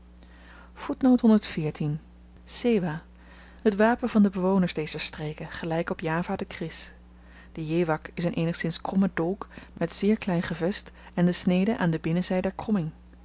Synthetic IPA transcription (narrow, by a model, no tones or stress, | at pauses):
v̥utnowtɦɔndəɹtfɪːɹtin | sejʋaː | ɦətʋaːpənvɑndəbəʋownəɹzdejzəɹstrejkəχəlɛjkɔpjaːvaːdəkrɪs | d̥əjejʋɑkɪsənʔejnəχsɪnskrɔmədɔlˠkmɛtz̥ɪːɹklɛjnχəvɛst | ɛndəsnejdəʔaːndəbɪnəzɛjədɛɹkrɔmɪŋ